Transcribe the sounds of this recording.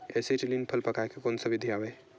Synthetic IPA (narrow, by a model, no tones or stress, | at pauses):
esiʈilinpʰəlpəkajkekonsəbʱid̪ʱijabɛ